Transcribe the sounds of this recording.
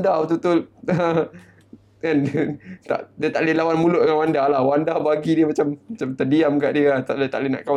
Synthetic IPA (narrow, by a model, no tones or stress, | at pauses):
daut̪̬ut̪ʊlə | kandt̪a̰ʔdiət̪aʔlilawanmulʊʔdŋanwandahlahwandahbaɡidiəmat͡ʃammat͡ʃamt̪ədiamkaʔdiəlat̪aʔdiət̪a̰ʔlina̰ʔkaw